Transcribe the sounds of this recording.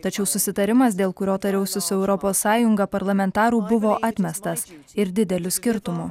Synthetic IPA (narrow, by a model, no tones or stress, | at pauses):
t̪ɐt͡ʃʲɛʊsʊsʲɪt̪ɐɾʲɪmɐs̬d̪ʲeːlˠkʊɾʲoːt̪ɐɾʲɛʊsʲʊsʊɛʊɾɔpoːsːɑːjʊŋɡɐpɐɾlˠɐmʲɛnt̪ɑːɾuːbʊʋoːʔɑːt̪ʲmʲɛst̪ɐs | ɪɾd̪ʲɪd̪ʲɛlʲʊsʲkʲɪɾt̪ʊmʊ